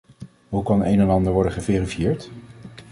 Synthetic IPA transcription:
ɦukɑnḛjnɛnɑndəɹʋɔɹdəχəveːrifijɪːɹt

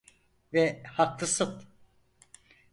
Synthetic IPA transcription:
vɛhak̚lˠɯsɯt̪

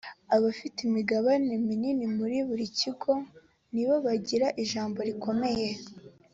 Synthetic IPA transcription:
aβafitimiɡaβanemininimuɾiβuɾiciɡo̞ | niβoβaɟiɾaʔiʒaːmbo̞ɾikʰo̞me̞je̞

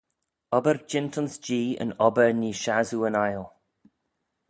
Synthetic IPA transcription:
ɔbəɹd͡ʒɪntənsd͡ʒiːə̰nɔbəɹniːʃazuːənajlˠ

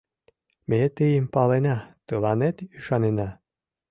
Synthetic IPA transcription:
met̪ɘjəmpɑlenɑt̪ɤlˠɑnet̪yʃɑnenɑ

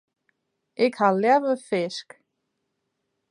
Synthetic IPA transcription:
ɪkhaðljavʏfɪsk

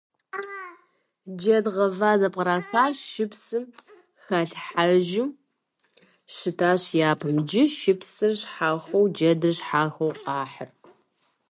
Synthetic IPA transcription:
d͡ʒɐdʁɐvaːzɐpʼqɐɾaːxaːrʃɪpsɨm | xɐɬħaʒɪ | ɕɨtʰaːɕjaːpʰɨmd͡ʒɪʃɪpsɨrɕħaːxʷɐwd͡ʒɐdɨɕħaːxɐwqɑːħər

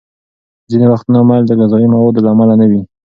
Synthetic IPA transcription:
zinewaxt̪namald̪əɣazɑjimawɑd̪laːmalanawi

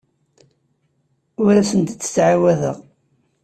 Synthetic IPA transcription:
ʊɾæsənt̪t͡sːə̥t͡sːʕawæðə̰ʁ

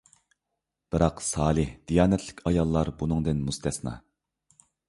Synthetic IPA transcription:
b̥ɨɾɑqsɑːlˠɨhd̪̥ijɑːnɛt̪ʰlɪ̥kʲʰɑjɑlˠːɑɾbunɨŋd̪ɨnmust̪ʰɛsnɑ̰

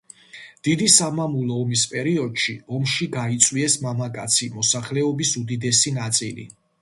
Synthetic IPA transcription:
d̪̥id̪isamamulˠɔːmispʼɛɾiɔd̪̥ʃiɔmʃiɡait̪sʼwiɛsmamakʼat̪sʰimɔsaχlɛɔbisud̪id̪ɛsinat̪sʼilḭ

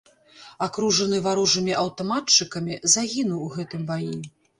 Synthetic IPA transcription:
akɾuʐɐnɨvaɾuʐɨmʲiʔɐwt̪ɔmatt͡ʂɨkɐmʲizaɣʲinuwuɣɛt̪ɨmbaji

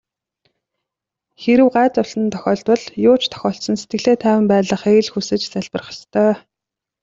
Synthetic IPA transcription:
xeɾɘ̆wɢaːt͡sʊsə̆nt̪ʰœ̥xʲɔːɮt̪pɞ̆ɮjʊːt͡ɕt̪ʰœ̥xʲɔːɬsɞ̆nset̪ɡɘ̆ɮeːt̪ʰæːwə̆mpæːɮə̆χeːɮxusɘ̆t͡ɕt͡sæɮpə̆rχə̆st̪ʰœː

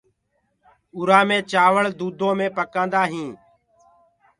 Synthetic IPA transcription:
ʊɾaːmẽːt͡ʃaːʋəɭd̪uːd̪ʱõːmẽːpəkãːnd̪aːɦĩː

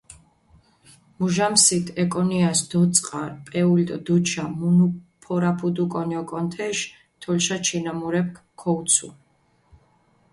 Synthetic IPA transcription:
muʒamsit̪ʰɛkʼɔniasd̪̥ɔt̪sʼqʼaɾpʼɛulit̪ʼɔd̪ut͡ʃʰamunupʰɔɾapʰud̪ukʼɔniɔkʼɔnt̪ʰɛʃ | t̪ʰɔlʃat͡ʃʰinamuɾɛp̚kʰ | kʰːɔut̪sʰṵ

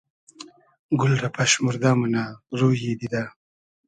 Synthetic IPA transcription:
ɡʊlɾapaʃmuɾd̪amunaɾujed̪id̪a

